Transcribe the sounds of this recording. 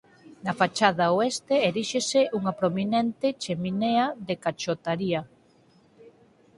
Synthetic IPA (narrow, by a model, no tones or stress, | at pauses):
nɐfat͡ʃað̞aoest̪eeɾiʃeseʔuŋɐpɾominɛnt̪et͡ʃemineaðekat͡ʃot̪aɾia